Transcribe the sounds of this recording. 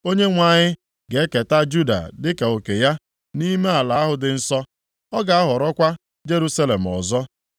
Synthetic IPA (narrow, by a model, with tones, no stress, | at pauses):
o˦ɲe˦ŋʷa˨ɲɪ˦ | ɡe˨e˦ke˨ta˦d͡ʒu˦da̰˨dɪ˦ka˨o˨ke˨ja˦ | ni˦me˦a˨la˨˦ɦʊ˨dɪ˨n̩˦sɔ˦ | ɔ˦ɡa˨a˦ɦʊ˨ɾɔ˦kʷa˦ | d͡ʒe˦ɾu˦sa˦le˨m̩˨ɔ̰˨zɔ˦